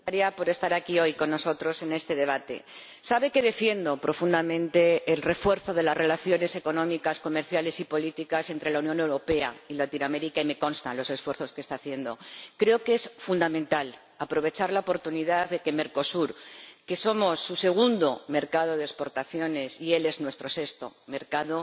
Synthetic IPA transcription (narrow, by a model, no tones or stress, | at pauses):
aɾiapo̞ɾe̞st̪aɾakio̞jko̞nːo̞so̞t̪ɾo̞se̞ne̞st̪e̞ðe̞β̞at̪e̞̰ | saβe̞ke̞ðe̞fje̞nd̪o̞pɾo̞fund̪amẽ̞nt̪e̞ːlre̞fwe̞ɾθo̞ð̞e̞lazre̞laθjo̞ne̞se̞ko̞nõ̞mikasko̞me̞ɾθjale̞sipo̞lit̪ikase̞nt̪ɾe̞launjõ̞ne̞wɾo̞pe̞a̰ilat̪inwame̞ɾikaime̞ko̞nst̪anlo̞se̞sfwe̞ɾθo̞ske̞st̪aːθje̞nd̪o̞kɾe̞o̞ke̞sfund̪amẽnt̪al | apɾo̞β̞e̞t͡ʃaɾlaopo̞ɾt̪uniðaððe̞ke̞me̞ɾko̞suɾke̞so̞mo̞sːuse̞ɣ̞und̪o̞me̞ɾkaðo̞ð̞espo̞ɾt̪aθjo̞ne̞sie̞le̞znwe̞st̪ɾo̞se̞st̪o̞̰me̞ɾkaðo̞